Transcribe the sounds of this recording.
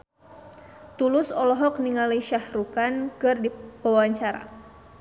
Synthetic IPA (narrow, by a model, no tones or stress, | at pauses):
t̪ulʊsɔlɔɦɔk̚niŋaliʃahɾukankɨrdipəwaɲt͡ʃaɾa̰